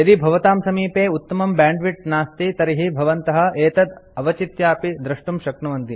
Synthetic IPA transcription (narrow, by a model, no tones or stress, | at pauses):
ɐd̪ibʱɐʋɐt̪aːmsɐmiːpeːut̪ːɐmɐmbaːɳɖʋiʈnaːst̪it̪ɐɾiɦibʱɐʋɐnt̪ɐɦɐ̆eːt̪ɐd̪ɐʋɐt͡ʃit̪jaːpid̪ɾɐʂʈumʃɐkɳɐʋɐnt̪i